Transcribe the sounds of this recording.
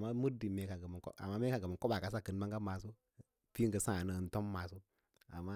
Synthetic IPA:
ma˦mu˦ɾdi˨me˨ka˨ɡə˨m˨ko̰˦a̰˨ma˦me˦ka˨ɡə˨mə˨ŋ˨ko˦ba˨ka˨s̬a˦kə˨n˦ma˦ŋɡa˦ma˨s̬o˦ | fi˦ŋ˦ɡə˨sã˦˨nə˨˦˨n˦to˦mːa˨so˦ | a̰˨mːa˦

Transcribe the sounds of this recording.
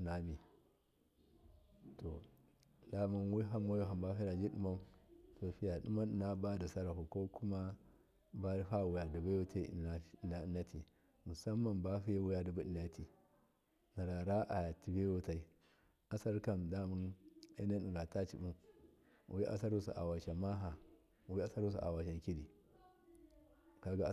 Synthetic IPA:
na˨mi˨ | to˨ | la˦mu˦nwi˦ɦa˦mː˦o˦jo˦ɦa˨mba˦fi˦ɾa˨d͡ʒi˦ɗu˦ma˦to˨fi˦ja˨ɗu˦ma˦ni˨na˦ba˦da˨sa˦ɾa˨ku˨ko˦ku˦ma˦ | ba˦fa˦˨wu˨ja˨du˨ba˦wu˦ta̰˦˨na˨˦˨na˦na˦tʰi˨ | mu˨sa˦mːa˨nba˦fi˦ja˦wu˦ja˦˨du˨ba˦ɗi˨na˦ti˨ | na˨ɾa˨ɾa˦ʔa˨ja˨ti˨be˦wu˦ta˨i˦ | a˦sa˦ɾka˦mda˦mu˦nḛ˦na˦ɗu˨ɡa˨ta˦t͡ʃi˨bu˦m̰˨ | i˦ʔa̰˦sa˦ɾu˦sṵ˨ʔa̰˨wa˨ʃa˨ma˦ɦa˨ | wi˦a˦sa˦ɾu˦s̬ṵ˨ʔa̰˨wa˨ʃ̬a˨ŋ˨ki˦di˨ | ka˦ɡa˨˦

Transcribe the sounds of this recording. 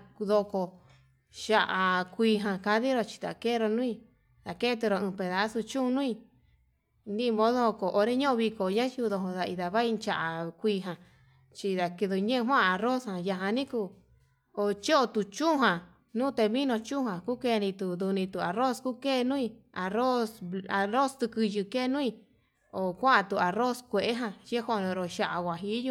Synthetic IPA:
ðo˧ko˧ | ʃa˧ʔa˨kʷiː˧ɦã˧ka˧ði˦ɾo˧t͡ʃi̥˧t̪a̰˨ke˦˧ɾo˧nũ˦i˧ | ða˨ke˦t̪̬u˧ɾo˧ɨ̃˧pe˨ða˨˧˦su˧t͡ʃũ˦˧nũ˦i˧ | nĩ˦˧mõ˧˦ðo˦ho˧ko˨ʔo˧ɾe˦ɲõ˦ʔõ˧βi˧ko˨ɲã˦t͡ʃu˧ðo˧ɦõ˧ða˧i˧ða˨βa˦i˧nt͡ʃa˧ʔa˨kʷiː˧ɦã˧ | t͡ʃi˧ða˨ki˧ðu˧ɲẽ˦˧ɦʷwã˦˧a˧ro˦shã˨ja˧ɦã˧nĩ˦ku˧ | o˧t͡ʃo˦o˧t̪u˨t͡ʃũ˦˧ɦã˨ | nũː˦t̪e˧mĩ˦nõ˧t͡ʃũ˦hã˨ku˦ke˦˧˦nĩ˧t̪u˨d̪u˧nĩ˧t̪u˨a˨ɾo˦sku˦ke˦˧nũ˦ĩ˧a˨ɾo˦sa˧ɾo˦st̪u˧kɨ˧ʒɨ˧ke˦˧nũ˦ĩ˧ | o˨kʷa˦a˧t̪u˨a˨ro˦skʷe˨ʔe˦ɦã˧t͡ʃe˦ho˧˨˧nõ˧ɾo˧ʃa˧ʔa˨wʷa˨ɦi˧˦ju˧˦

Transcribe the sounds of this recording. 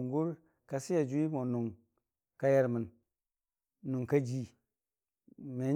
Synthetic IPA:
ŋɡu˦ɾ | ka˨si˦ja˨d͡ʒu˦i˦mo˨nu˨ŋ | ka˦ja˦ɾmɨ˨n | nu˨ŋka˦d͡ʒi˨ | me˨˦

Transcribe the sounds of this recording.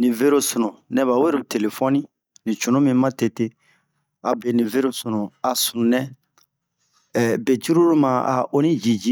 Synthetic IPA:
nĩ˨ve˦ɾo˦su˨nũ˨nɛ˦ba˨we˦ɾu˨te˨le˨fɔ˦nĩ˦ | nĩ˨t͡ʃu˨nũ˦mĩ˦mã˦te˨te˦ | a˨be˨nĩ˨ve˦ɾo˦su˨nũ˨a˨sũ˨nɛ̃˦˨ | be˨t͡ʃu˦ɾu˦ɾu˦mã˨a̰˨o˦nĩ˦d͡ʒi˨d͡ʒi˦

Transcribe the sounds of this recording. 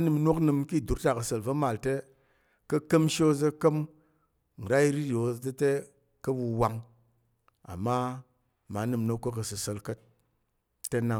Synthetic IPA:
nɨ˧˨mno˦knɨ˧mki˦˨du˨˦ɾta˨kə˧sə˧lvə˦ma˨lte˦ | kə˦kə˦mʃe˦o˦zə˦kə˦m | ŋ̩˨ɾa˦i˦ɾi˦ɾo˨˦zə˦te˦ | kə˦bu˧wa˧ŋ | a̰˨mːa˦ | ma˨˦nɨ˧mno˦kkːə˦kə˧sə˨sə˧lkə˦t̚ː | e˦na˨

